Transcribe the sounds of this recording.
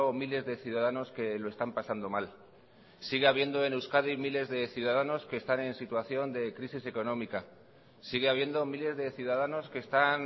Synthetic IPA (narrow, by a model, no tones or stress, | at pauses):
omile̞zðe̞θjuð̞aðano̞ske̞lo̞e̞st̪ampasand̪o̞mal | siɣ̞eaβ̞je̞nd̪o̞e̞newskaðimile̞zðe̞θjuðaðano̞ske̞ːst̪ane̞nsit̪waθjo̞nd̪e̞kɾisise̞ko̞nõ̞mika | siɣeaβje̞nd̪o̞mile̞zðe̞θjuðað̞ano̞ske̞ːst̪an